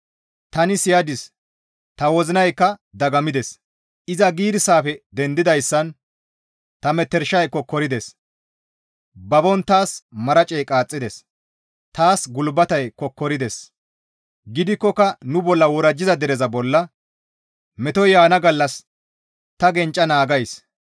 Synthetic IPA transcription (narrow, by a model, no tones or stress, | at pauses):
t̪ɐnɪsɪjɐd̪ɪs | t̪ɐwɔzɪnɐjkːɐd̪ɐɡɐmɪd̪ɛs | ʔɪzɐɡiːd̪ɪsaːfɛd̪ɛnd̪ɪd̪ɐjsːɐn | t̪ɐmɛt̪ːɛɾʃɐjkːɔkɔɾɪd̪ɛs | bɐbɔnt̪aːsmɐɾɐt͡ʃʼɛjkʼaːt͡sʼːɪd̪ɛs | t̪aːsɡʊlbɐt̪ɐjkːɔkːɔɾɪd̪ɛs | ɡɪd̪ɪkːɔkɐnʊbɔlːɐwɔɾɐd͡ʒːɪzɐd̪ɛɾɛzɐbɔlːɐ | mɛt̪ɔjjaːnɐɡɐlːɐs | t̪ɐɡɛnt͡ʃʼːɐnaːɡɐjs